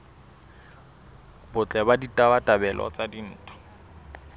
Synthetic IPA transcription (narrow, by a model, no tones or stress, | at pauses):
bʊt͡ɬʼɛbaditʼabatʼabɛlʔɔ̰t͡sadin̩ːtʰʼɔ̥